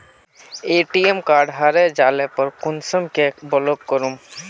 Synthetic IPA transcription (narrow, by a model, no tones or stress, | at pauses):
eːʈiemkaːɖɦaɾɛd͡ʒalɛpəɾkunsəmkebɔlokːəɾum